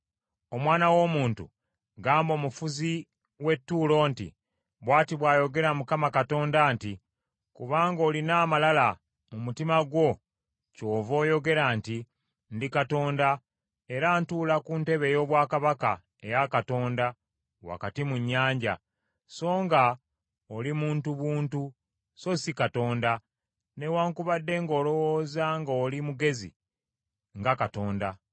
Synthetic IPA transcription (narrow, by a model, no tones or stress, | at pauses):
o̞mwaːnawo̞ːmuːntṵ | ɡaːmbo̞ːmufuzi | we̞tːuːlo̞ːntḭ | βwaːtiβwaːjo̞ɡe̞ɾamukamakato̞ːndaːnti | kuβaːŋɡo̞ːlinaːmalala | mumutimaɡwo̞ | co̞ːvo̞ːjo̞ɡe̞ɾanti | ndikato̞ːnda | e̞ɾaːntuːlakunte̞βe̞jo̞ːβwaːkaβaka̰ | e̞jakato̞ːnda | wa̰katimuɲːaːɲɟa̰ | so̞ːŋɡa | olimuːntuβuːntu | so̞sikato̞ːnda | ne̞waːŋkuβadːe̞ŋɡo̞ːlo̞woːzaŋɡolimuɡe̞zḭ | ŋɡakato̞ːnda